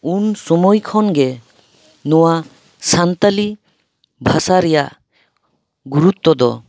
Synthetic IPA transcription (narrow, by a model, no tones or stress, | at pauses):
unsɔmojkʰɔnɡɛ | nɔwa | sant̪ali | bʱasaɾɛjaʔ | ɡuɾut̪ːɔd̪ɔ̰